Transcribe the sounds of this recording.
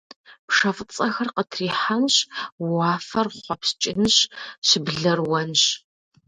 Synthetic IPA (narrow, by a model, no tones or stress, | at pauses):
pʰʂɐft͡sʼɐxɐrqətʰriːħanɕwaːfɐrχʷɔpst͡ʃʼɪnɕɕɪbɮɐrwɐnɕ